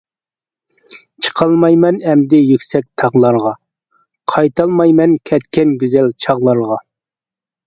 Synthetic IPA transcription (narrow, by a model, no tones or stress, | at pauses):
t͡ʃʰə̥qʰɑlˠmɑjmɛnɛmd̪ɪjykʲsɛk̚ʲt̪ʰɑʁlˠɑɾʁɑ | qʰɑjt̪ʰɑlˠmɑjmɛnkʲʰɛt̪kʲɛnɡʲyzɛlt͡ʃʰɑʁlˠɑɾʁɑ